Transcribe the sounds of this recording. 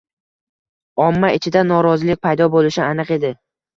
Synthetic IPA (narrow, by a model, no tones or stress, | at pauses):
ɒmːaɪt͡ʃʰɪd̪anɒɾɒzɪlɪk̚ʲpʰajd̪ɒbolɪʃɪanɨqe̞d̪ɪ